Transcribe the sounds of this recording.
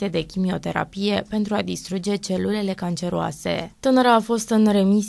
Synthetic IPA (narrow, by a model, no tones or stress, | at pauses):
ed̪e̞kʲimio̞t̪e̞ɾa̰pije̞pe̞nt̪ɾuad̪ist̪ɾud͡ʒe̞t͡ʃe̞lule̞le̞kant͡ʃe̞ɾua̰se̞̰t̪ɨnəɾaːfo̞st̪ɨnre̞mis